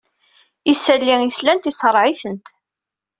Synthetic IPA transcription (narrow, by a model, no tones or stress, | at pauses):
isælːiŋislænt̪isˤəɾˤʕiθənt̪